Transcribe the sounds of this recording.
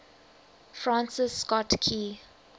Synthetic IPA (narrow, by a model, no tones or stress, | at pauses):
fɹãnsɪsːkɔtkʰi